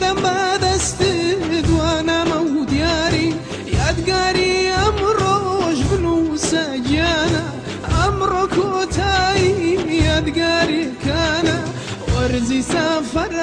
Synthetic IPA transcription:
d̪ambad̪ast̪ɪd̪waːnamawd̪ijaːɾi | jad̪ɡaːɾiamɾˤoʃbnusad͡ʒjaːna | amɾˤokʰot̪ʰajijad̪ɡaːɾikaːna | waɾzisafaɾˤ

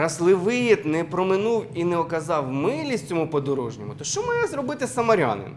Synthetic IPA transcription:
ɾɐslˠɪʋɪjɛt̪nɛpɾɔmɪnuwinɛɔkɐzɑwmɪlʲisʲt͡sʲɔmupɔd̪ɔɾuʒnʲɔmʊt̪ɔʃt͡ʃɔmɑjɛzɾɔbɪt̪ɪsɐmɐɾʲɑ̰nɪ̰n

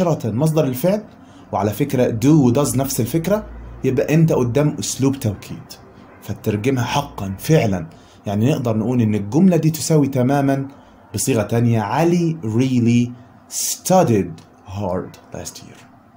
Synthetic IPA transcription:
ɑɾˤɑt̪mɑs̬ˤd̪ˤɑɾˤɪlfeʕl | wɪʕalæfɪkɾæd̪uːwd̪ɑznæfsɪlfɪkɾæjɪbʔæʔɪnt̪æʔʊd̪ːæːmʔʊsluːbt̪awkʰḭːd̪̥ | fæt̪ːɑɾˤɡɪmhæħɑqːɑnfɪʕlæn | jaʕninɪʔd̪ɑɾˤnʔuːlʔɪnːɪlɡʊmlæd̪iːt̪ɪ̥sæwit̪æmæːmæn | bɨsˤiːɣæt̪ænjæʕaliɾiːli | st̪ɑdid̪ | hɑːɾd̪læ̰st̪ʰḭːɾ

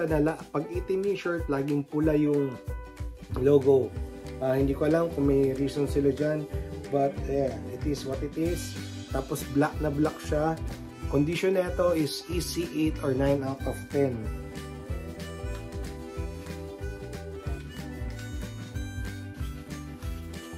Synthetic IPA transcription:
ɐnɐlaʔpɐɡit̪ɪniʃoɹt̪̚laːɡɪŋpʊlajʊŋ | loːɡoʔahɪ̃nd̪iːkoʔɐlamkʊŋmɐjɾiːsonsɪlad͡ʒanbɐt̪̚jaɪt̪ɪswɐt̪ɪt̪ɪs | t̪aːposblak̚nɐblak̚ʃa | kond̪ɪʃonɐɛt̪o̞ʔɪsʔisiʔejt̪oɹnajnawt̪ɔv̥t̪ɛn

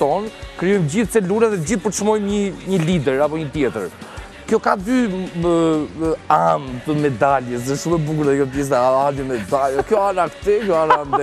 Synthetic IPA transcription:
t̪ɔnkɾijɔjmd͡ʑiθsɛluɾɛðɛd͡ʑiθpəɾt̪ʃmɔjmɲəɲəlid̪ɛɾapɔɲət̪jɛt̪ə̰ɾ | kjɔkad̪y | amt̪əmɛd̪alɛs̬ðɛʃumɛbukuɾɛkɔp̬jɛs̬ɛaalɛmɛd̪alɛkjɔaɾakt̪ɛkjɔaɾanɛ

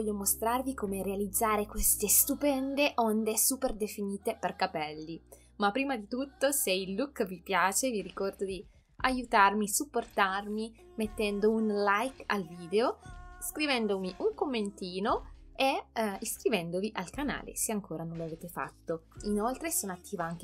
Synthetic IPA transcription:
vɔʎːomost̪ɾarvikomeɾealid̪zːaːɾekwest̪est̪upɛnd̪eʔɔnd̪esuːperd̪efiniːt̪eperkapɛlːi | mapːɾiːmad̪it̪ut̪ːoseilːukvipjaːt͡ʃeviɾikɔrd̪od̪i | ajut̪armisupːort̪armi | met̪ːɛnd̪ounlajka̰lviːd̪eoskɾivɛnd̪omiʔuŋkomːent̪iːnoeiskɾivɛnd̪oviʔalkana̰ːlḛseaŋkoːɾanõnloaveːt̪efa̰t̪ːoinolt̪ɾesoːnat̪ːiːvaaŋke

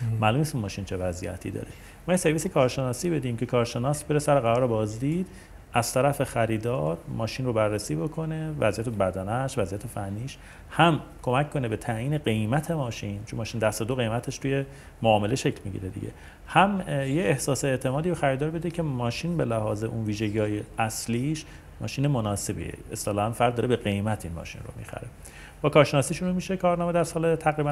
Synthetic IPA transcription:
mæːlumnist̪mɒːʃint͡ʃʰevæzijæ̰t̪ʰḭd̪ɒ̰ːɾe | mɒːjese̞ɾvisekʰɒːɾʃe̞nɒːsiːbe̞d̪iːmcʰekʰɒːɾʃe̞nɒːsbe̞ɾesæɾeɣæɾɒːɾebɒːzd̪iːd̪̥ | ʔæz̥t̪ʰæɾæfexæɾiːd̪ɒːɾmɒːʃinrobærːesiːbo̞kʰo̞ne̞væzijæt̪ebæd̪ænæʃvæzijæt̪ʰefænːiːʃ | hæmkʰo̞mæckʰkːo̞nebe̞t̪ʰæjiːne̞ɢe̞jmæt̪ʰe̞mɒːʃint͡ʃʰonmːɒːʃiːnd̪æst̪od̪oɣe̞jmæt̪ʰeʃt̪uːje̞ | moɒːme̞leʃe̞cʰlmiɟḭɾed̪ḭɟe̞̰ | hæmjeehsɒːseeʔt̪ʰe̞mɒːd̪iːɾoxæɾiːd̪ɒːɾbe̞d̪ecʰe̞mɒːʃiːnbelæhɒːze̞ʔunviːʒeɟiːɒːjeæsliːʃ | mɒ̰ːʃiːnemonɒːse̞bḭḛest̪elɒːænfæɾd̪ːɒːɾebe̞ɣe̞jmæt̪ʰinmɒ̰ːʃḭnro̰mḭxæ̰ɾe | b̥ɒːkʰɒːɾʃenɒːsiːʃunumiʃekʰɒːɾnɒːmed̪æɾsɒːlet̪ʰæɣɾiːbæ

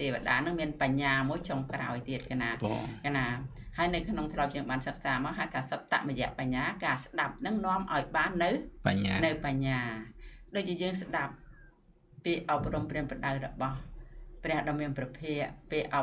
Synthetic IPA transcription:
t̪eːʋḛ̆əɗaːnɨŋmiənpaɲːaːmuəjt͡ɕoŋkra̰ɔjt̪iət̪̚kʰaːnaːkʰaːnaː | haəjnɨwkʰnoŋt̪ʰlŏəp̚jəːŋɓaːnsək̚saːmaːəɦat̪t̪ʰaːsət̪̚t̪ːa̰ʔrɔjɛ̆əʔpaɲːaːkaːsɗap̚nɨŋnŏəmʔa̰ɔjɓaːnːɨwpaɲanɨwpaɲːaːɗoːc̚t͡ɕiəjəːŋsɗap̚ː | iːʔop̚rumpriəŋpəɗawrɔɓɑhprɛ̆əhɗɑːmiənprɑpʰiəʔpiʔʔ

